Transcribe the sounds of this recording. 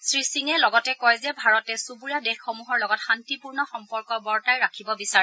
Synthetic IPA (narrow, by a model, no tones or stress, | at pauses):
sɹisiŋɛlɔɡɔtɛkɔjzɛbʱaɹɔtɛsubuɹiadexːɔmuɦɔɹlɔɡɔtxantipuɹnɔxɔmpɔɹkɔbɔɹtajɹakʰibɔbisaɹɛ